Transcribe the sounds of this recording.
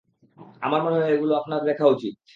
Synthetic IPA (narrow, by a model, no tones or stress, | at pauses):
amaɾmaneɦeɡuloapnaɾd̪ɛkʰaut͡ɕit̪̚